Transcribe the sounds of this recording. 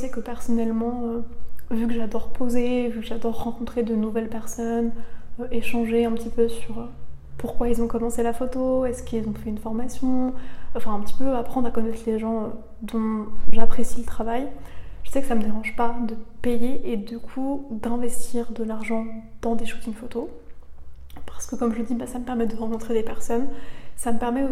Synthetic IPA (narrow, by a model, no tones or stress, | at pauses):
əsɛkəpɛʁsɔnɛlmɑ̃øvykəʒad̪ɔʁpozevykəʒad̪ɔʁːɑ̃kɔ̃t̪χed̪ənuvɛlpɛʁsɔnøʔeʃɑ̃ʒeɛ̃pət̪ipøsyʁø | puʁkwailzɔ̃kɔmɑ̃selafot̪oɛskilzɔ̃fɛynfɔʁmasjɔ̃ɑ̃fɛ̃ɛ̃pət̪i̥pøapχɑ̃d̪ʁakɔnɛt̪χleʒɑ̃ø | d̪ɔ̃fɛ̃ʒapχesilət̪χavajʒəsɛkə̥saməd̪eʁɑ̃ʒpad̪əpejeʔed̪ykʰud̪ɛ̃vɛst̪iʁd̪əlaʁʒɑ̃d̪̥ɑ̃d̪eʃu̥t̪iŋfot̪o | paʁsə̥kəkɔmʒəd̪ibasaməpɛʁmɛd̪əʁɑ̃kɔ̃t̪χed̪epɛʁsɔnsaməpɛʁmɛo